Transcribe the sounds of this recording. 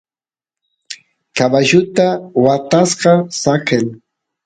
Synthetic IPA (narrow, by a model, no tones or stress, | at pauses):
kabaʒʊt̪awat̪asqɑsaken